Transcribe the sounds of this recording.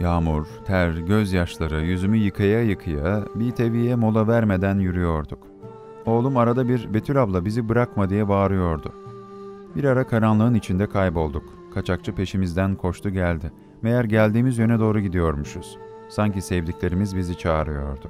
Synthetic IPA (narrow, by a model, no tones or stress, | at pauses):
jaːmuɾ̥t̪ʰæɾɟøzjaʃlˠaɾɯjyzymyjɯkʰajajɯkʰɯjabit̪ʰe̞vijɛmo̞lˠavæɾme̞d̪ænjyɾyjo̞ɾd̪uk | o̞ːlˠumaɾad̪abiɾbe̞t̪ʰylʲablˠabizibɯɾakmad̪ijɛbaːɾɯjo̞ɾd̪ʊ | biɾaɾakʰaɾanlˠɯɯnit͡ʃʰind̪ɛkʰajbo̞lˠd̪uk | kʰːat͡ʃʰak̚t͡ʃʰɯpʰe̞ʃimizd̪ænkʰo̞t͡ʃt̪ʰuɟælʲd̪ɪ | me̞jæɾɟælʲd̪iːmizjø̞nɛd̪o̞ːɾuɟid̪ijo̞ɾmuʃuz̥ | saɲcisevd̪iclʲe̞ɾimizbizit͡ʃʰaːɾɯjo̞̰ɾd̪ʊ